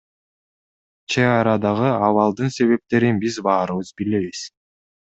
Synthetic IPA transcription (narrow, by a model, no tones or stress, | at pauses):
t͡ʃʰeɑɾɑd̪ɑʁɯɑβɑlˠd̪ɯnse̞βe̞p̚t̪e̞ɾinbizbɑːɾɯβɯzbile̞βis